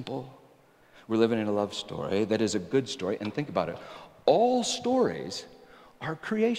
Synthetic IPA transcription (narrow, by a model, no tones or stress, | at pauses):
mpl̩ˠ | wɨɹlɪvɪ̃ŋɨ̃nəlʌv̥stɔ̰ɹiðɨɾɨzɨɡʊd̥stɔɹiʔɨ̃nθɪ̃ŋkəbaʊɾɨt | ɔlˠstɔɹḭz̥ʔə˞kʰɹ̥ieɪ